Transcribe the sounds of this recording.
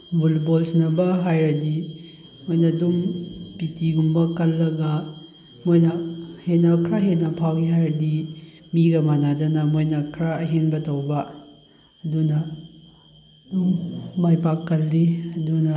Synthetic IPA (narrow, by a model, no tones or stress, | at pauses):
bulbolsnɐbɐɦajɾɐdi | mojnɐdumpitiɡumbɐkɐlːɐɡɐ | mojnɐhenɐkʰɾaɦenːɐpʰawɡiɦajɾɐdi | miɡɐmanadɐnɐmojnɐkʰɾaɐɦenbɐtɐwbɐː | dunɐ | dumːajpakːɐlːiɐdunɐ